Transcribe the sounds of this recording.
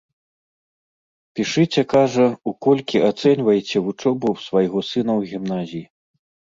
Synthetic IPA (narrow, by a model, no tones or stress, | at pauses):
pʲiʂɨt͡sʲɛkaʐɐukɔlʲkʲiat̪sɛnʲvɐjt͡sʲɛvut͡ʂɔbɐwsvajɣɔsɨn̪ɐwɣʲimnazʲiji